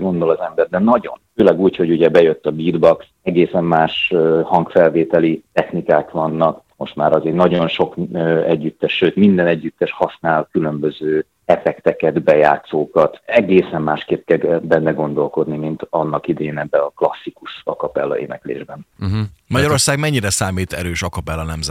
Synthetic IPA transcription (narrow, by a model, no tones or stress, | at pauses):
ɡo̞nd̪olɒzɛmbɛrd̪ɛnɒɟo̞̰nføːlɛɡuːcho̞ɟuɟɛbɛjøt̪ːɒbiːd̪bɒks | ɛɡeːsɛmːaːʃøhɒŋkfɛlveːt̪ɛlit̪ɛxnikaːkʋɒnːɒkmo̞ʃt̪maːɾɒzeːnɒɟo̞nʃo̞kːɛɟːyt̪ːɛʃːøːt̪mind̪ɛnɛɟːyt̪ːɛʃhɒsnaːlkylø̞mbø̞zøː | ɛfɛkt̪ɛkɛd̪bɛja̰ːt̪soːkɒt̪ɛɡeːsɛmːaːʃkeːt̪̚kɛlɛbɛnːɛɡo̞n̪d̪o̞lko̞d̪nimint̪ɒnːɒkid̪ɛeːnɛbːɛɒklɒsːikuʃɒkɒpɛ̰lːɒ̰ʔḛːnɛklḛːʒbɛn̩mɒɟɒɾorsaːɡmɛɲːiɾɛsaːmiːt̪ɛɾøːʃɒkɒpɛlːɒnɛmzɛ